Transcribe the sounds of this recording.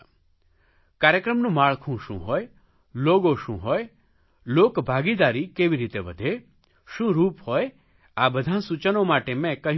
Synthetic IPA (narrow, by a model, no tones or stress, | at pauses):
kaɾjəkɾəmnũmaɭkʰũʃṵ̃ɦoj | loɡoʃṵ̃ɦoj | lokbʱaɡid̪aɾikeʋiɾit̪eʋə̰d̪ʱe | ʃũɾuːpɦoj | abəd̪ʱãsut͡ʃənomaʈemɛ̃kəɦ